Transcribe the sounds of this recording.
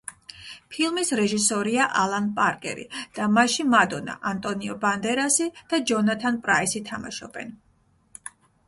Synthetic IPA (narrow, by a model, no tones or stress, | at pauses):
pʰilˠmisɾɛʒisɔɾiaʔalˠanpʼaɾkʼɛ̰ɾḭd̪̥amaʃimad̪ɔna̰ʔant̪ʼɔniɔband̪ɛɾasid̪̥ad͡ʒɔnat̪ʰanpʼɾaisit̪ʰama̰ʃɔ̰bɛ̰n